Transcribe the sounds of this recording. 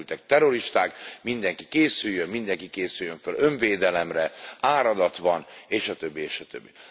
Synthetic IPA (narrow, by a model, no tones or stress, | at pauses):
lt̪ɛk̚t̪ɛɾo̞ɾiʃt̪aːkmind̪ɛŋkikeːsyjːømmind̪ɛŋkikeːsyjːøɱfølø̞ɱveːd̪ɛlɛmrɛaːɾɒd̪ɒt̪ʋɒneːʃɒt̪øbːieːʃɒt̪ø̰bːi